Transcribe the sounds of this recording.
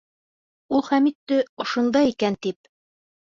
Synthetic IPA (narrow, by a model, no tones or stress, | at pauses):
ulˠχæmit̪ːɘŏʃŏnd̪ɑikænt̪ip̚